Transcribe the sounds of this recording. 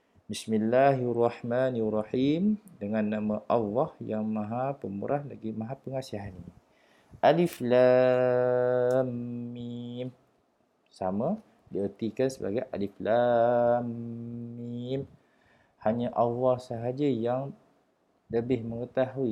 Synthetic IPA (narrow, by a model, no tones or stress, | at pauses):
bismilːaɦrˤːɑħmanrˤɑħimdəŋanːamə̃ʔalːɔhjaŋmãɦapəmṵɾʔahlaɡimãɦãpəŋasiɦanini | ʔalifla | mːim | sama | diərt̪ikansəba̰ɡajʔa̰liflamː | im | haɲaʔɑlːɑhsəɦad͡ʒəjaŋ | ləbɪhməŋət̪aɦui